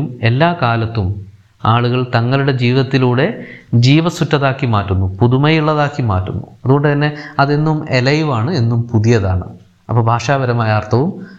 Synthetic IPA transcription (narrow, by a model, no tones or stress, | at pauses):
me̞lːaːkaːlɐt̪ːum | aːɭuɣɐɭt̪ɐŋːɐɭuɽe̞d͡ʑiːʋɐt̪ːiluːɽe̞d͡ʑiːʋɐsutːɐðaːkːimaːtːunːupuðumɐjuɭːɐðaːkːima̰ːtːunːṵɐðuɣo̞ɳɖɨt̪ɐnːe̞ɐðe̞nːumelɐjʋaːɳɨe̞nːumpuðijɐðaːɳɨ̰ | ɐpːɐːbʱaːʂaːbɐɾɐmaːjɐːrt̪ʰɐʋum